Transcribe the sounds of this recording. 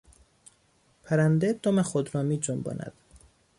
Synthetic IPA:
pʰæɾænd̪ed̪̥omexod̪ɾɒːmiːd͡ʒombɒ̰ːnʔæ̰d̪̥

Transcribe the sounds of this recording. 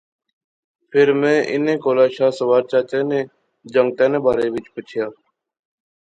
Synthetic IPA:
pʰɪɾmẽːʔɪ̰nẽːkoːlaːʃaːsəʋaːɾt͡ʃaːt͡ʃẽːnẽː | d͡ʒəŋɡ̚t̪eːnẽːbʱaːɾeːʋɪt͡ʃpət͡ʃʰɪjaː

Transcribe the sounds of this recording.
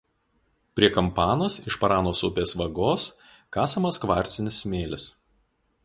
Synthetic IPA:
pʲɾʲiɛkɐmpɑːnosɪʃpɐɾɑːnoːsʊpʲeːsʋɐɡoːs | kɑːsɐmɐskʋɑˑɾʲt̪sʲɪnʲɪsmʲeːlʲɪs

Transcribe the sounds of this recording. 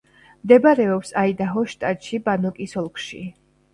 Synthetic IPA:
md̪ɛbaɾɛɔpsaid̪aɦɔʃt̪ʼad̪ʃibanɔkʼisɔlˠkʼʃḭ

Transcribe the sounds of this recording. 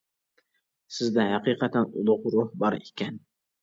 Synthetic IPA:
sɪzd̪ɛɦæqiqɑt̪ʰænʊ̰lˠʊqɾʊhbɑɾekʲʰɛn

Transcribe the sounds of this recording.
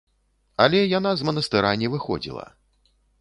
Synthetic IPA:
alʲɛjanazmɐnɐst̪ɨɾanʲɛvɨxɔ̰d͡zʲḭlˠɐ̰

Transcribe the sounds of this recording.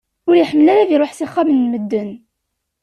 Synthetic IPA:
ʊɾjəħəmːəlæɾaðiɾoħsiχːɑmənːməd̪ːən

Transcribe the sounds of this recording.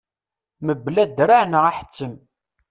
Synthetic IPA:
məblæd̪ɾaʕnəʁaħə̥t͡sːəm

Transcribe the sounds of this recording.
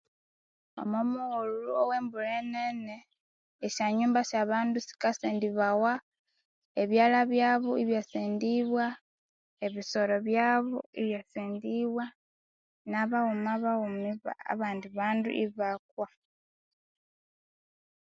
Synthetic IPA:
o̞̰momuɣoluluowe̞ːmbuɾeneneː | ʃaɲuːmbasaβaːndusi̥kaseːndiβawa | eβjaːlaβjaːβoiβjaseːndiβwa | eβiso̞ɾo̞βjaːβoiβjasiːndiβwa | naβaɣumaβaɣumiβa̰a̰βaːndiβaːndṵʔiβak̚wa

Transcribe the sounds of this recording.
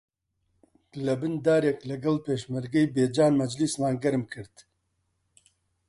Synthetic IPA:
lɐbɨnd̪aːɾeklɐɡɐlpeːʃmɨɾɡɛjbeːd͡ʒaːnmɐd͡ʒlismaːnɡɐɾmkʰɨɾt̪

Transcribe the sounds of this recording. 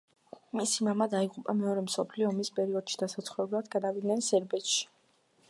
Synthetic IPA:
misimamad̪aiʁʼupʼamɛɔɾɛmsɔpʰliɔmispʼɛɾiɔd̪̥ʃi̥d̪̥asat̪sʰχwuɛbulˠad̪ɡad̪avid̪nɛnsɛɾbɛt̪ʃi̥

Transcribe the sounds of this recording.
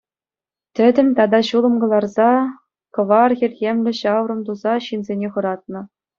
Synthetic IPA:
t̪ʲɘ̆d̪ʲɘ̆mʲt̪ɑd̪ɑɕulˠɤ̆mɡɤ̆lˠɑrzɑ | kɤ̆ʋɑrxʲirʲɣʲemlʲɘ̆ɕɑwrɤ̆mt̪uzɑɕinzʲenʲeχɤ̆ɾɑt̪̚nɤ̆

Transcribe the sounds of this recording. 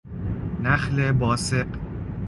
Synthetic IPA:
næxlebɒːseq

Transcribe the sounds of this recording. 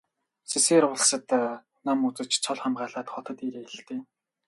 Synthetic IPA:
seseːɾʊɮ̆sə̆t̪ | namut͡sə̆t͡ɕt͡sʰɔɮχamɢaːɮaːt̪χɔt̪ɞ̆t̪iɾeːɬt̪eː

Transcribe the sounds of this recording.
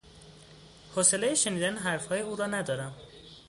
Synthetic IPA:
hose̞lejeʃeniːd̪ænɦæɾfhɒːje̞uːɾɒːnæd̪ɒːɾæm

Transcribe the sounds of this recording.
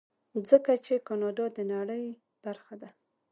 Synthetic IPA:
zəkat͡ʃekɑnɑdɑd̪ənaɽəj | b̥aɾxad̪a

